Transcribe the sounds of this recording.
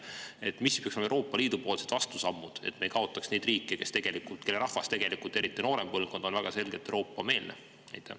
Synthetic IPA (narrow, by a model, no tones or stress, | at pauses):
e̞t̪misːpjɑksolmewro̞ːpːˑɑliːd̪̥upo̞ːlse̞d̪̥vɑst̪usɑmːud̪̥e̞̰t̪me̞jkɑo̞t̪ːˑɑksnejd̪riːkˑːeke̞st̪eɡ̥e̞likult̪kelːeɾɑhvɑst̪e̞ɡ̥e̞likult̪ːe̞ɾit̪ˑːino̞ːɾempɤlɡ̥o̞nd̪̥o̞nvæɡ̥ɑse̞lɡ̥et̪ːˑewɾo̞ːpːˑɑme̞ːlnḛ | næ̰jt̪ːˑæ̰